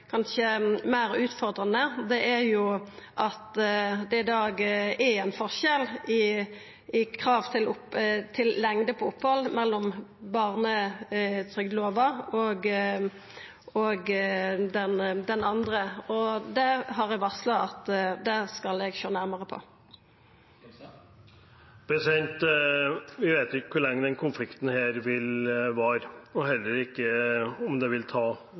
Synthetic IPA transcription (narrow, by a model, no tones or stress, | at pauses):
kʰɑnʃəmæɪɾʉːt̪fɔʁd̪ʁɑnəd̪ɛʔæɾjʊʔɑt̪d̪ɛɪd̪ɑːɡɛæɪnfɔʁʃɛlɪ | ɪkʰʁɑːʋt̪ʰɪlʊpt̪ʰɪllɛŋd̪əpʰɔʊpːhɔlːmɛlːɔmbɑːʁnət̪ʰʁʏɡd̪loːʋɑoɡ | oɡd̪ɛnd̪ɛnɑnd̪ʁəɔd̪ɛɦɑʁɛɡʋɑʁslɑɑt̪d̪ɛskɑlɛɡɕøːnæʁməʁəpʰɔ̰ | b̥ɛsɛnt̪ | ʋɪʋeːt̪ɪkːə̥kʰʊɭɛŋːəd̪ɛnkʰʊnflɪkt̪n̩heːɾʋɪlʋɑɾɔɦɛlːəɾɪkːəɔmd̪ɛʋɪlt̪ʰɑː